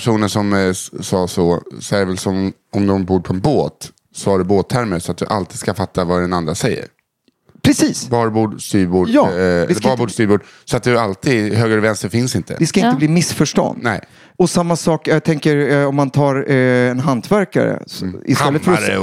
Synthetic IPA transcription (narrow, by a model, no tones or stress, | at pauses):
æʂuːnəʂɔmsɑːsɔsɔæɖɛvɛlsɔm | ɔmd̪ɔmbuːɾpʰɔɛnboːt̪ | sɔaɖɵboːt̪ʰːæɾməsɔat̪̚d̪ɵʔalt̪iːd̪skafat̪ʰːavad̪ɛnand̪ɾasɛjːə̰ɾ | pʰɾɛsiːsbɑːɾbuːɖst̪yːɾbuːɖɛbɑːɾbuːst̪yːɾbuːɖ | sɔat̪̚d̪ɵalt̪ʰiːd̪ɦøːɡəɾvɛnst̪əɾfɪnsɪnt̪ʰə̰d̪ɛskaɪnt̪əbliːmɪsfœʂʈɔ̰nd̪nɛɪ | ɔsamːasɑːkjaɡt̪ʰɛŋkəɾɔmːant̪ʰɑːɾɛnɦant̪ʰvæɾka̰ɾə̰ɪ̰stɛlːət̪fœɾɔ